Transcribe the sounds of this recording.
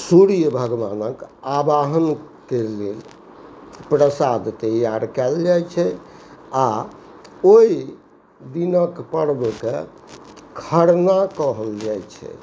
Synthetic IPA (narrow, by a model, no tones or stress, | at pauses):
suɽijəbʱəɡʋanəkabaɦənkelel | pɾəsad̪t̪əjaɾkɛld͡ʒajt͡ʃʰɛ | a | oi | d̪inəkpəɽbke | kʰəɽnakɔɦəld͡ʒajt͡ʃʰɛ̰